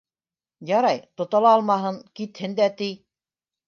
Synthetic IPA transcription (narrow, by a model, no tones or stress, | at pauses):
jɑɾɑjt̪ŏt̪ɑlˠɑːlˠmɑɦɤŋkit̪hɘnd̪æt̪ij